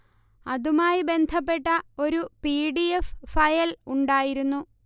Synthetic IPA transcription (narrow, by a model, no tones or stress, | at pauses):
ɐðumaːjibe̞nd̪ʱɐpːe̞ʈːɐo̞ɾupiːɽiefːɐjɐluɳɖaːjiɾunːu